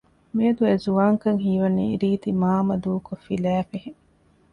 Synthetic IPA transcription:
miɐd̪uezuʋaːŋkɐŋɦiːʋɐnːḭiɾiːt̪imaːmɐd̪uːkofilæːfeheŋ

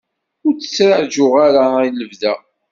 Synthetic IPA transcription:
ʊɾt͡sːə̥t͡sːɾaʕʒʊʁaɾailəvðæ

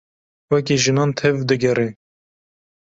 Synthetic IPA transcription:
wɛk̬eʒɨnɑːnt̪ʰɛvd̪ɨɡɛɾe

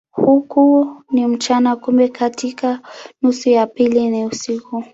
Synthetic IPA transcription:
hukunim̩t͡ʃanakumbɛkʰatikanusujapiliniusiku

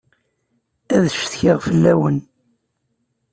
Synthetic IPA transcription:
æðʃθçiʁfəlːæwən

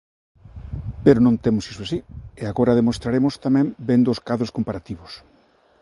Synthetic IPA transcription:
peɾonõnt̪emʊsiswasieaɣoɾaðemost̪ɾaɾemʊst̪amɛ̃ŋbend̪oːskaðɾoskompaɾat̪iβʊs

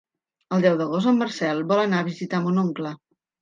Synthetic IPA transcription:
əlˠd̪ɛwðəɣ̞ozt̪əmːərsɛlˠbɔlənaəβ̞izit̪amunuŋklə

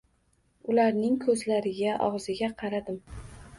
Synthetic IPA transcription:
ʊlaɾnɪŋkʰɵzlaɾɪɡʲaʔɒ̰ʁzɪɡʲaqʰɑɾad̪ɪm

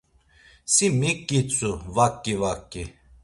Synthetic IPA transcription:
simikːit̪t͡sʼuvakːivakːi

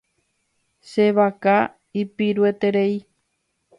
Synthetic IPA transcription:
ʃe̞ʋaka | ipiɾue̞t̪e̞ɾe̞i

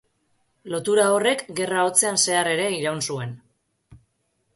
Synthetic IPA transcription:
lo̞t̪uɾao̞re̞kɡe̞raot͡se̞anse̞are̞ɾe̞iɾawnsue̞n

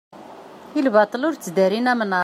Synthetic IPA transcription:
ilbɑt̪ˤlʊɾt͡sd̪æɾinæmənɑ

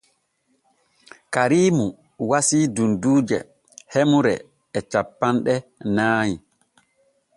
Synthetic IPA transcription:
kaɾiːmu | wasiːdunduːd͡ʒɛ̰ | hemuɾɛ̰ː | t͡ʃapːanɗɛnaːɲi

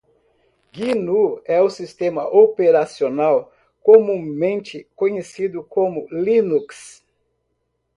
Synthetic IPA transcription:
ɡinuɛʊsist̪ẽmɐʔopeɾasionaw | komũmẽnt͡ʃɪkõɲesid̪ʊkõmʊlinuks

